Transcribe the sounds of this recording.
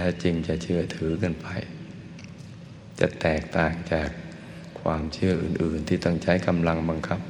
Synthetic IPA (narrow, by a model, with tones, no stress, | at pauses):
lɛː˦˥wt͡ɕi˧ŋt͡ɕa˨˩t͡ɕʰɯ˥˩ɐt̪ʰɯː˩˦kɤ˧˩˨npa˧j | t͡ɕa̰˨˩t̪ɛː˨˩k̚t̪aː˨˩ŋt͡ɕaː˨˩k̚ʰː | waː˧mt͡ɕʰɯ˥˩ɐʔɯː˨˩nʔɯː˨˩nt̪ʰiː˧˩t̪ɔ˥˩ŋt͡ɕʰa˦˥jka˧mla˧ŋba˧ŋkʰa˦˥p̚